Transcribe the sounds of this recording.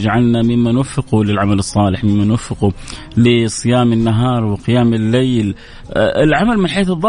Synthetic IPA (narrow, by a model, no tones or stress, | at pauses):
d͡ʒaʕalnamɪmːanwafːɪqulɪlʕamalɨsˤːɑːlɪħmɪmːanwafːɪqu | lɪsˤɨjaːmɪnːaɦɑːɾˤwɪqɪjaːmɪlːejl | ɪlʕamalmɪnħeːθɨðˤːɑ